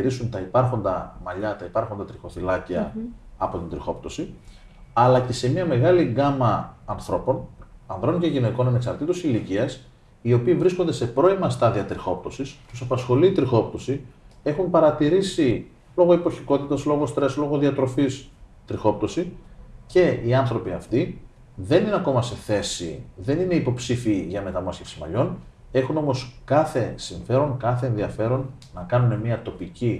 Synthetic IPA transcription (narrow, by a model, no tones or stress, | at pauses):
iɾisunt̪ɐipɐɾxo̞nd̪ɐ̰mɐʎɐt̪ɐipɐɾxo̞nd̪ɐt̪ɾixo̞θilɐciɐɐpo̞t̪ind̪ɾixo̞̰pt̪o̞si | ɐlɐce̞se̞miɐme̞ɣɐliɡɐmɐːnθɾo̞po̞nɐnðɾo̞nce̞ʝine̞ko̞nɐne̞ksɐɾt̪it̪osiliciɐs | io̞piːvɾisko̞nd̪e̞se̞pɾo̞imɐst̪ɐðiɐt̪ɾixo̞p̚t̪o̞sist̪usɐpɐsxo̞liːt̪ɾixo̞pt̪o̞sie̞xumpɐɾɐt̪iɾisi | lo̞ɣo̞ipo̞çiko̞t̪it̪ɐslo̞ɣo̞st̪ɾe̞slo̞ɣoðiɐt̪ɾo̞fis | t̪ɾixo̞p̚t̪o̞sice̞iɐnθɾo̞piɐft̪i | ðe̞nineɐko̞mɐse̞θe̞sḭðe̞nine̞ipo̞psifiiʝɐme̞t̪ɐmɐscefsimɐ̰ʎo̞n | e̞xuno̞mo̞skɐθe̞siɱfe̞ɾo̞ŋkɐθe̞ːnðiɐfe̞ɾo̞nː | ɐkɐnune̞miɐt̪o̞pici